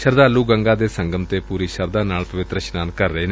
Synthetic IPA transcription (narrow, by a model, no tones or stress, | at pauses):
ʃəɾd̪aːluːɡəŋɡaːd̪eːsə̃ŋɡəmt̪eːpuːɾiːʃəɾd̪aːnaːlpəʋɪt̪ɾəʃnaːnkəɾːəeːn